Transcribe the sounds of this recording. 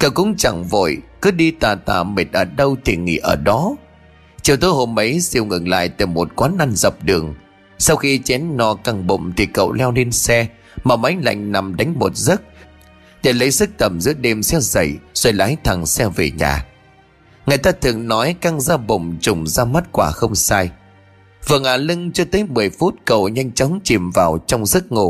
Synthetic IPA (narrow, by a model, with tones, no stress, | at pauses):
kə˧˩wkʊ̰˧˥ŋ͡mt͡ɕa˧˩ŋvo̰˧˩jkɨ˨˦ɗi˧t̪aː˨˩t̪a̰ː˧˩me˨˩t̚ʔəː˧˩ɗə˧wt̪ʰi˨˩ŋḭ˧˩ʔəː˧˩ɗɔ˨˦ | t͡ɕi˨˩əwt̪o˨˦jho˧˩mʔə˨˦jsi˧˩əwŋɨ˨˩ŋla̰ː˧˨jt̪e˧˩mːo˨˩t̚kwaː˨˦nʔa˧nzə˨˩p̚ɗɨ˨˩əŋ | sa˧wxi˧t͡ɕɛ˨˦nnɔ˨˩ka˧ŋɓo̰˧˨ŋ͡mt̪ʰi˨˩kə̰˧˨wlɛ˧wne˧nsɛ˧ | maː˨˩ma˨˦jŋla̰˧˨jŋ̟na˨˩mɗa˨˦jŋ̟mo˨˩t̚zə˦˥t̚ | ɗe˧˩lə˨˦jzɨ˦˥k̚t̪ə˨˩mzɨ̰˧˥əɗe˧msɛ˧˥zə̰˧˩jz̥o˧˩jla̰ː˨˦jt̪ʰa˨˩ŋsɛ˧ve˨˩ɲa̰ː˨˩ | ŋa˨˩jt̪aː˧t̪ʰɨ˨˩əŋnɔ˨˦jka˧ŋzaː˧ɓə̰˧˨ŋ͡mt͡ɕʊ˨˩ŋ͡mzaː˧mə˦˥t̚kwaː˧˩xə˧wŋ͡msaː˧j | vɨ˨˩əŋʔaː˨˩lɨ˧ŋt͡ɕɔ˧t̪əː˨˦jmɨ˨˩əjfu˦˥t̚kə̰˧˨wɲa˧jŋ̟t͡ɕɔ˨˦wŋ͡mt͡ɕi˨˩mvaː˨˩wt͡ɕɔ˧wŋ͡mzɨ˦˥k̚ŋo˧˩